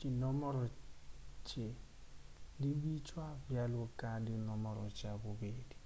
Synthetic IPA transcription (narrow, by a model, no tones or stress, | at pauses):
kinɔmɔɾɔ | t͡ʃe | diwit͡ʃwabjalwɔkadinɔmɔɾɔt͡ʃabobedi̥